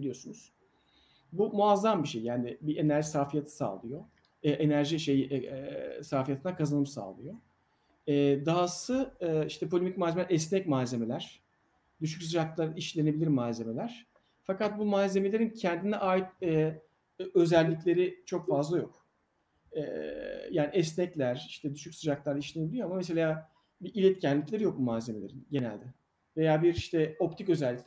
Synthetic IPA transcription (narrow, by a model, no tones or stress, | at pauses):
bilʲijo̞sunuz̥ | bumuazːambiʃejːaːnɪbie̞næɾʒisaːfijat̪ʰɯ̥sa̰ːlˠɯjo | ɛʔe̞næɾʒiʃe̞jʔɛsaːfijat̪ʰɯnakʰazanɯmsa̰ːlˠɯjo | ɛːd̪aasɯiʃt̪ʰɛpʰolʲemic̚maːzemlʲæɾɛsnɛcmaːze̞me̞lʲæɾ̥ | d̪yʃ̬ycsɯd͡ʒaklˠaɾiʃlʲe̞ne̞bilʲiɾmaːze̞me̞lʲæɾ̥ | fakat̪̚bumaːze̞me̞lʲe̞ɾincʰɛnd̪inɛʔaːjit̪̚ɛː | ø̞zælʲːicʲlʲe̞ɾit͡ʃʰo̞kfazlˠajo̞k | ɛ̰ːjaːniɛsnɛclʲæɾ̥iʃt̪ʰɛd̪yʃycsɯd͡ʒaklˠaɾaiʃlʲenebilʲijo̞amames̬e̞lʲaː | biʔilʲɛt̪cʰɛnllʲiclʲe̞ɾijo̞k̚bumaːze̞me̞lʲeɾinɟe̞næ̰lʲd̪ɛ | ve̞jaːbiɾiʃt̪ʰɛo̞p̚t̪ʰicø̞zælʲːicʲ